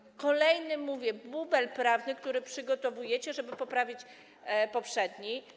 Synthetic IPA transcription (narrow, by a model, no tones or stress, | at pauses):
kɔlɛjnɘmuvʲjɛbubɛlpɾavnɘk̚t̪uɾɘpʂɘɡɔt̪ɔvujɛt͡ɕɛʐɛbɘpɔpɾavʲit͡ɕ | pɔpʂɛd̪ɲij